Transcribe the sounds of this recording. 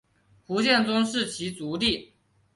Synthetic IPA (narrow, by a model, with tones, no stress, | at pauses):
xu˧˥ɕjɛ˥˩nt͡sʊ˥ŋʂɻ̩˥˩t͡ɕʰi˧˥t͡su˧˥li˥˩